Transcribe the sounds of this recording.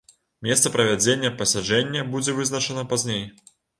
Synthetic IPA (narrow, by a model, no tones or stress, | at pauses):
mʲɛst̪sɐpɾɐvʲad͡zʲenʲːɐpɐsʲad͡ʐɛnʲːɐbud͡zʲɛvɨznɐt͡ʂɐnɐpazʲnʲej